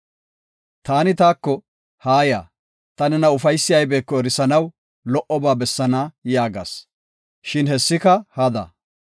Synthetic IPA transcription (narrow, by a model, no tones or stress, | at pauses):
t̪aːnɪt̪aːkːɔ | haːja̰ː | t̪ɐnɛnɐʊfɐjsːɪjɐjbe̞ːkːɔɛɾɪsɐnɐw | lɔʔɔbaːbɛsːɐnajaːɡɐ̰s | ʃɪnɦɛsːɪkɐhɐd̪ɐ̰